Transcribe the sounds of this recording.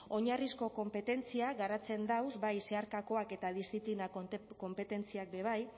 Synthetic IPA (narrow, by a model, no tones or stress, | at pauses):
o̞ɲarisko̞ko̞mpe̞t̪e̞nt͡siaɡaɾat͡se̞nd̪awzbajse̞aɾkako̞ake̞t̪að̞ist̪iplinako̞mpe̞t̪e̞nt͡siak̚be̞β̞aj